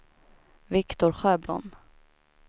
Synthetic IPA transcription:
vɪkt̪ʊɾɧøːblɔ̰n

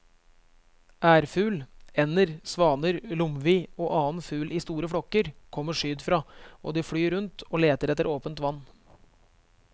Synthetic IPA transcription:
ʔæːɾfʉːlɛnəɾsʋɑːnəɾlʊmʋiːoːʔɑːnfʉːlʔiːst̪uːɾəfɽɔkəɾkʰɔmːəʂyːd̪fɾɑːʔo̰ːd̪ɪːfɽyːɾʉnt̪ʰoːleːt̪əɾɛt̪ːəɾʔoːpənt̪ʋɑnː

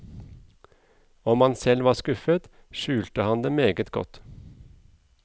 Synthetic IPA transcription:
ɔmɑnsɛlʋɑːskʉfət̪ | ʃʉːlt̪əhɑnd̪eːmeːɡət̪ɡɔ̰t̪

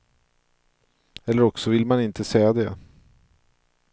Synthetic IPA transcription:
ɛlːəɾɔksɔvɪlmanɪnt̪ʰəsɛjad̪ɛ

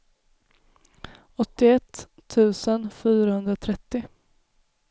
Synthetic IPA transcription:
ɔt̪ːɪɛt̪ʰː | ʉ̟ːsənfyːɾahɦɵnd̪ɾat̪ʰɾɛt̪ːɪ

